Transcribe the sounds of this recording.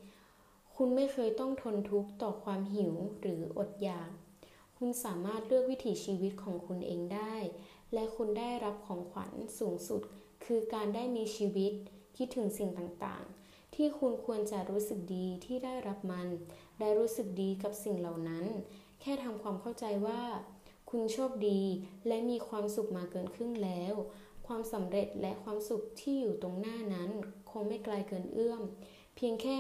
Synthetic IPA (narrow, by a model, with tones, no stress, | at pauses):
kʰu˧nma˥˩jkʰɤː˧jt̪ɔ˥˩ŋt̪ʰo˧nt̪ʰu˦˥k̚t̪ɔː˨˩kʰwaː˧mɦi˨˩˦wɾɯː˩˦ʔo˨˩t̪̚jaː˨˩k̚ | kʰu˧nsaː˩˦maː˥˩t̪̚ɾɯ˥˩ək̚wi˦˥t̪ʰiː˩˦t͡ɕʰiː˧wi˦˥t̪̚kʰɔː˩˦ŋkʰu˧nʔḛː˧ŋdaː˥˩j | lɛ˦˥kʰu˧ndaː˥˩jɾa˦˥p̚kʰɔː˩˦ŋkʰwa̰˩˦nsuː˩˦ŋsu˨˩t̪̚ | kʰɯː˧kaː˧ndaː˥˩jmiː˧t͡ɕʰiː˧wi˦˥t̪̚kʰi˦˥t̪ʰːɯ˩˦ŋsi˨˩ŋt̪aː˨˩ŋt̪a̰ː˨˩ŋ | t̪ʰiː˥˩kʰu˧nkʰu˧ənt͡ɕa˨˩ɾuː˦˥sɯ˨˩k̚diː˧t̪ʰiː˥˩daː˥˩jɾa˦˥p̚ma˧n | daː˥˧˩jɾuː˦˥sɯ˨˩k̚diː˧ka˨˩p̚si˨˩ŋla˨˩wna˦˥n | kʰɛː˥˩t̪ʰa˧mkʰwaː˧mkʰa˥˩wt͡ɕa˧jwaː˥˩ | kʰu˧nt͡ɕʰɔː˥˩p̚diː˧lɛ˦˥miː˧kʰwaː˧msu˨˩k̚maː˧kɤː˧nkʰɯ˥˩ŋlɛː˦˥w | kʰwaː˧msa˩˦mɾe˨˩t̪̚lʔɛ˦˥kʰwaː˧msu˨˩k̚t̪ʰiː˥˩juː˨˩t̪o˧ŋnaː˥˩na˦˥nkʰo˧ŋma˥˩jklaː˧jkɤː˧nʔɯ˥˩əm | pʰi˧əŋkʰɛː˥˩